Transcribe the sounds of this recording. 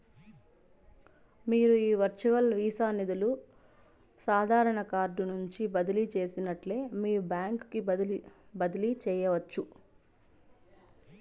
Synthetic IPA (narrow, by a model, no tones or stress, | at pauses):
miːɾuiːʋɐɾt͡ʃuʋɐlʋiːsaːnid̪ulu | saːd̪ʱaːɾɐɳɐkaːɾɖunuɲt͡ʃibɐd̪ilit͡ʃe̞ːsinɐʈle̞ːmiːɾubjaːŋkki | bɐd̪ɐlit͡ʃɛːjɐʋɐt͡ʃːu